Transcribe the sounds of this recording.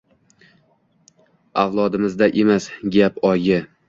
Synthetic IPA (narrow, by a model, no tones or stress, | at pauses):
awlˠɒd̪ɪmɪzd̪aʔe̞masɡʲapɒjɡʲɪ